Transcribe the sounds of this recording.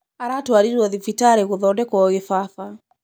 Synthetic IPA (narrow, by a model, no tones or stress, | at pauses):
aɾatwaɾiɾɔðifitaɾeɣoðɔndɛkɔɣefaθa